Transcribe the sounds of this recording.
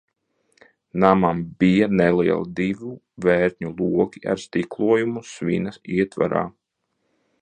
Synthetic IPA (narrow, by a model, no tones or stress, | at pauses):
namambijanɛliɛ̰lˠd̪ivu | vɛːɾɲulˠuɔkʲia̰ɾst̪iklˠuɔjumusʋinasiɛt̪va̰ɾa̰ː